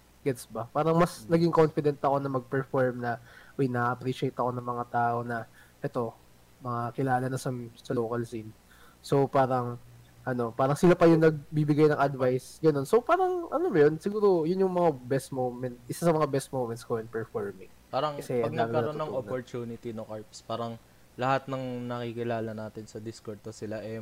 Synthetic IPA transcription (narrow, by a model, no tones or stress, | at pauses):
ɡɛt̪sbɐpaːɾɐŋmɐsnɐɡɪŋko̞nfɪd̪ɛnt̪ɐko̞nɐmɐɡ̚pɛɹfoɹmnɐʔojnɐʔɐpɾiʃejt̪ɐko̞nɐŋmɐŋat̪aːʔo̞nɐ | ʔɛt̪o̞ | mɐŋakɪlaːlɐnɐsɐsɐloːkɐlsin | so̞wpaːɾɐŋ | ʔɐno̞paːɾɐŋsɪlapɐjʊŋnɐɡ̚bibɪɡajnɐŋʔɐd̪vajsɡɐno̞nso̞paːɾɐŋʔɐnomɐjo̞nsɪɡuːɾo̞jʊnjʊŋmɐŋabɛst̪̚mowmɛnt̪̚ʔɪsasɐmɐŋabɛst̪̚mowmɛnt̪skoʔɛnpɛɹfoɹmɪŋ | paːɾɐŋkɐsɛʔɐɡ̚nːɐɡɐɡkɐlɐɾonnɐopoɾt̪uːnɪt̪inoŋkaɹpspaːɾɐŋ | lɐhat̪̚nɐŋnɐkikɪlaːlɐnaːt̪ɪnsɐd̪ɪskoɹd̪̚osɪlaʔɛ